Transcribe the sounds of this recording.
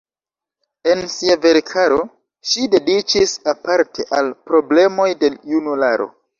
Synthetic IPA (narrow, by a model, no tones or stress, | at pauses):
e̞nsiave̞ɾkʰaɾo̞ | ʃide̞dit͡ʃisapaɾtʰe̞ʔalpɾo̞ble̞mo̞jde̞ljunulaɾo̞̰